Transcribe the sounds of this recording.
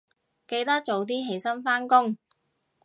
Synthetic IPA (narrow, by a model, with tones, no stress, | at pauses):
ke˨˧jt̪ɐ˥k̚t͡so˨˧wt̪̬iː˥ɦe˨˥jsɐ˥nfaː˥nkʊ˥ŋ